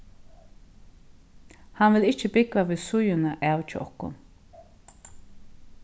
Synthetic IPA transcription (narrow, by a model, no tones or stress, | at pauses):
hanvɪlɪht͡ʃːəbɪkvaviːðsʊjʊnaʔawt͡ʃɪʔɔ̰hkʊ̰n